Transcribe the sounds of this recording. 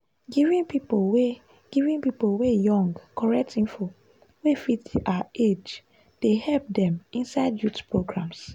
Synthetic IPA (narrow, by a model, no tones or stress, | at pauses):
ɡivĩnpipolwe | ɡ̥ivĩnpipowejɔ̃ŋɡkɔɹɛk̚tĩnfo | wefitʔaed͡ʒ | d̥ehɛlp̚dɛ̃mĩnsaɪdjutpʰɹoɡɹãms